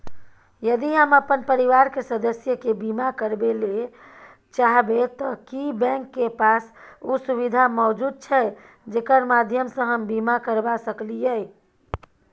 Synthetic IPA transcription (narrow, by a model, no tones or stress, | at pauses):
jəd̪iɦəməpənpəɾiʋaɾkesəd̪əsjəkebimakəɾbele | t͡ʃaɦbet̪ɔkibɛ̃ŋkːepasusuβid̪ʱamɔd͡ʒud̪̚t͡ʃʰɛ | d͡ʒekəɾmad̪ʱjəmsə̃ɦəmbimakəɾbasəklijə